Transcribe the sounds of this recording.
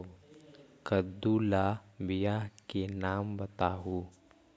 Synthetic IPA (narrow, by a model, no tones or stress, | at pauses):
kəd̪ulabɪjakenaːmbɐt̪aːɦuː